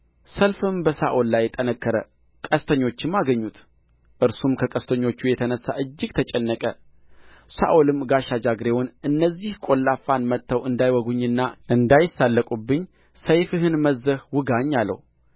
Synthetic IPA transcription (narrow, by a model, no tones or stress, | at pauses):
səlfɨmbəsa̰ʔolːajt̪ʼənəkːəɾə̰ | kʼəst̪ʰəɲːo̞t͡ʃːɪmːaɡəɲːut̪ | ʔɨɾsumkʰəkʼəst̪ʰəɲːo̞t͡ʃːujɛt̪ʰənəsːa̰ʔɨd͡ʒːɪɡ̚t̪ʰət͡ʃʼɛnːəkʼə | sa̰ʔolɨmɡaʃad͡ʒaɡɾewonʔɨnːəzːihkʼo̞lːafːanmət̪ʰːəwɨnd̪ajwɔɡuɲːɨnːaʔɨnd̪ajɪsːalːəkʼubːɨɲː | səjfɨɦɨnməzːəhwɨɡaɲːalːə̰w